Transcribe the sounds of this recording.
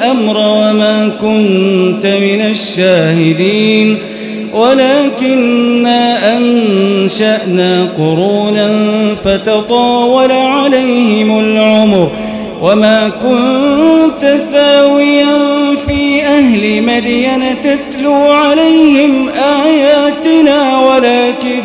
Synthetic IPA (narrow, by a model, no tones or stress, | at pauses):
ʔamɾˤɑwamaːkʊnt̪amɪnaʃːaːhɪd̪iːn | walaːkɪnːaːʔanʃaʔnaːqʊɾuːnanfat̪ɑt̪ˤɑːwɑlaʕalajhɪmalʕʊmɾ | wʔamaːkʊnt̪aθaːwɪjanfiːʔahlɪmad̪ijanat̪at̪luːʕalajhɪmʔaːjaːt̪ɪnaːwalaːkɪ